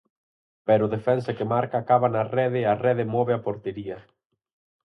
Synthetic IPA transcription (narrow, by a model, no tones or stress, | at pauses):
pɛɾʊðefɛnsɐkemaɾkaːkaβanarɛðɪarɛðɪmɔβɪapoɾt̪eɾiɐ